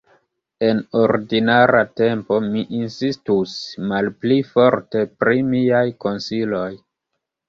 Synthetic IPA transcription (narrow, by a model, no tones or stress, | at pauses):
e̞no̞ɾdinaɾʔate̞mpo̞miʔinsistusmalplifo̞ɾte̞pɾimiajko̞nsilo̞j